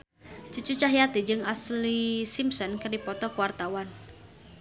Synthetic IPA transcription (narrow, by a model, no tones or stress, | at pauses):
t͡ʃut͡ʃut͡ʃaɦjat̪id͡ʒɨŋaslisimsɔnkərdipɔt̪ɔkuwart̪awan